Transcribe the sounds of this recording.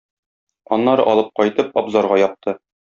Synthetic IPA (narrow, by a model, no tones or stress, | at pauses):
ɒnːɑɾɤʔɒlˠɤp̚qɒjt̪ɤpɒbzɑɾʁɑjɒp̚t̪ʰɤ